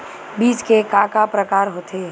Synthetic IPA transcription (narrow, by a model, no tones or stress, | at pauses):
biːt͡ʃkekaːkapɾəkaːɾɦot̪eː